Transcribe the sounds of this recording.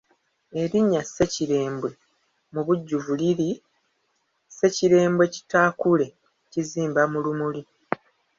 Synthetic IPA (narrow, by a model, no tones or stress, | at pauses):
e̞ɾiɲːase̞ciɾe̞ːmbwe̞ | muβuɟːuvuliɾi | se̞ciɾe̞ːmbwe̞ci̥taːkule̞ | ciziːmbamulumuli